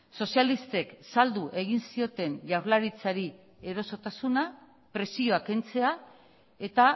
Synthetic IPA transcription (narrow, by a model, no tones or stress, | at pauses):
so̞sialist̪e̞ksald̪uʔe̞ɣ̞insio̞t̪e̞nʎawɾlaɾit͡saɾi | e̞ɾo̞so̞t̪asuna | pɾe̞sio̞ake̞nt͡se̞a | e̞t̪a